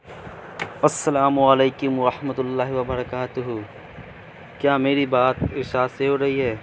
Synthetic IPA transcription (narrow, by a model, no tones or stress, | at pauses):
ɐsːɐlaːmʊɐleːkʊmɐɾɐħmɐt̪ʊlːaːɦɪʋɐbɐɾɐkaːt̪ʊɦu | kjaːmeːɾibaːt̪̚ɪʃaːseɦoɾɐɦiɦɛː